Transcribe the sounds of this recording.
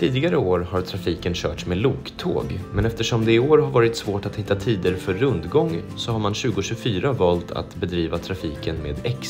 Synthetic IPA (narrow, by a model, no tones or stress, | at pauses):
t̪ʰiːd̪ɪɡaɾəoːɾhaɾt̪ʰɾafiːkənɕœ̰ːʈʂmeːd̪luːkt̪ʰo̰ːɡmɛnɛft̪əʂɔmd̪ɛɪoːɾɦaɾvɑːɾɪt̪svoːʈat̪hɪt̪ːat̪ʰiːd̪əɾfœɾːɵnd̪ɡɔŋːsɔhaɾmanɕʉ̟ːɡʊɕɵfyːɾavɑːlt̪ʰa̰t̪bɛd̪ɾiːvat̪ʰɾafiːkənmeːd̪ɛks